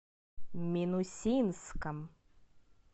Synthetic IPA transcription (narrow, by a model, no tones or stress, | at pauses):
mʲinusʲinskɐm